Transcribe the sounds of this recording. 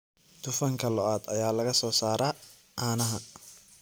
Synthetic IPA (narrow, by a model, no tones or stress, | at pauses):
t̪ʰʊfɐŋkʰɐlɔaːd̪ɐjaːlɐɣɐsɔːsaːɾaː | ʔaːnɐɦɐ